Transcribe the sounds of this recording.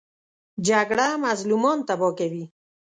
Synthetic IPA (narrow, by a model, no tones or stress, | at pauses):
d͡ʒaɡɽamazlumɑnt̪abɔkawi